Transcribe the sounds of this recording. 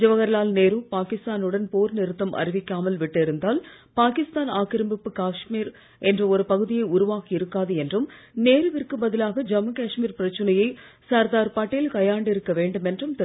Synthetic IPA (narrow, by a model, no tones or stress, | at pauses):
d͡ʒɐʋɐɣɐɾɐlaːlneːɾɯpaːkɪst̪aːnɯɽɐnpoːɾnɪɾɯt̪ːɐmʔɐ̰rɪʋɪkʲːaːmɐlʋɪʈːɪɾɯnd̪aːl | paːkɪst̪aːnaːkɪɾɐmbɪpːɯkaːʂmiːɾ | ɛndrɐɔɾɯpɐɣɯðɪjɐɪʊɾʊʋaːkiɪɾɯkːaːðɯɛndrɯmneːɾɯʋɪrkɯbɐðɪlaːɣɐd͡ʒɐmːɐkaːʂmiːɾpɪɾɐt͡ʃːɐnɐjɐɪsɐɾd̪aːɾpaːʈːɪlkɐjaːɳɖɪɾɯkːɐʋeːɳɖɯmɛndrɯmt̪ɛ